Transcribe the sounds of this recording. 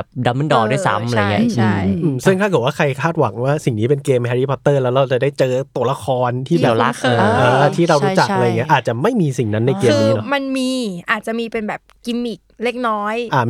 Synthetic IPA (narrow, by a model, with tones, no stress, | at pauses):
p̚da˧˦mɯ˥˩ndɔː˧du˥˩jsa̰˦˥mmʔa˧a˧jŋi˦˥ɯ˧˩ʔɯː˧msʰɯ˥˩ŋt̪ʰaː˥˩kʰɯ˨˩waː˥˩kʰa˧jkʰaː˥˩t̪̚wa˩˦ŋwaː˥˩si˨˩ŋniː˦˥p̬e˧nkeː˧mhɛː˧ɾi˦˩pʰɔ˨˧˥t̪ːɤː˥˩lɛː˦˥wɾa˧wt͡ɕa˨˩da˥˩jt͡ɕɤː˧t̪u˧˩˦la˧xʰɔː˧nt̪ʰiː˥˩bɛː˨˧laː˨˦˥ʔɤː˧˩t̪ʰiː˥˩ɾa˧wɾuː˦˥t͡ɕa˨˩a˧ja˨˩ŋi˦˥ʔaː˨˩t̪̚t͡ɕa˨˩ma˥˩jmiː˧si˨˩ŋna˦˥nːa˧jkeː˧ɯmniː˦˥˧lɔ˧ma˧nmiː˧ʔaː˨˩t̪̚t͡ɕa˨˩ʔmiː˧pe˧nbɛː˨˩p̚ki˧mi˨˩k̚leː˥˩k̚nɔː˦˥jʔa˧˩